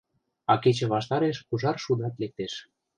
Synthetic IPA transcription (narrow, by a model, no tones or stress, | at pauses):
ɑket͡ɕĕβɑʃt̪ɑɾeʃuʒɑrʃud̪ɑt̪lek̚t̪eʃ